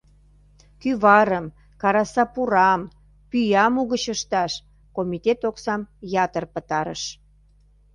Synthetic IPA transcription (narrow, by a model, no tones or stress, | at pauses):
kyβɑɾəm | kɑɾɑsɑpuɾɑm | pyjɑmuɣət͡ɕəʃt̪ɑʃ | komit̪et̪oksɑmjɑt̪ərpət̪ɑɾə̰ʃ